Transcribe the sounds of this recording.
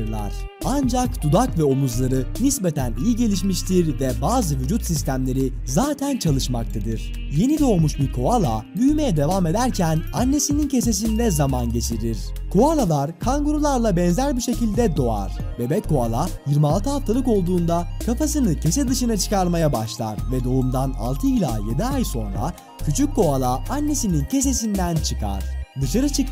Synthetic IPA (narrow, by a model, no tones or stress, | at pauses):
ɯɾlˠa̰ɾ̥ | and͡ʒakd̪̥ud̪akvɛo̞muzlˠaɾɯnisbe̞t̪ʰænijiɟe̞lʲiʃmiʃt̪ʰiɾvɛbaːzɯvyd͡ʒut̪sist̪ʰæmlʲe̞ɾi | zaːt̪ʰænt͡ʃʰalˠɯʃma̰k̚t̪ʰad̪ɯɾ̥ | je̞nid̪o̞ːmuʃbiɾkʰo̞alˠabyjme̞jɛd̪e̞vame̞d̪æɾcʰænanːe̞sinincʰe̞s̬e̞s̬inid̪ɛzamanɟe̞t͡ʃʰiɾiɾ̥ | kʰoalˠalˠaɾkʰaŋɡoɾulˠaɾlˠabɛnzæɾbiʃe̞cilʲd̪ɛd̪o̞a̰ɾ̥ | vɛbɛcʰːo̞alˠa | jiɾmialˠt̪ʰɯɦaft̪ʰalˠɯko̞lˠd̪uːnd̪akʰapasɯnɯcʰe̞sɛd̪ɯʃɯnat͡ʃʰɯ̥kaɾmajabaʃlˠa̰ɾvɛd̪o̞umd̪ana̰lˠt̪ʰɯilʲa̰ːje̞d̪iajso̞nɾa̰ | cʰyt͡ʃʰykkːo̞alˠaanːe̞sinincʰe̞s̬e̞s̬ind̪ænt͡ʃʰɯkʰa̰ɾ̥d̪ɯʃaɾɯt͡ʃʰɯk